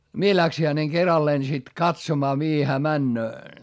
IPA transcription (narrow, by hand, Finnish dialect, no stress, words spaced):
mie læksi hæneŋ kerɑlːeːn sit kɑtsomɑː mihi hæː mænːøː